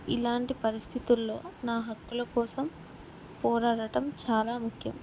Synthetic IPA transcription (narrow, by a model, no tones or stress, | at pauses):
ḭlaːɳʈipɐɾist̪ʰit̪ulːo̞ːnaːɦɐkːulɐkɔːsɐm | pɔːɾaːɽɐʈɐmt͡ʃaːlaːmukʰjɐ̰m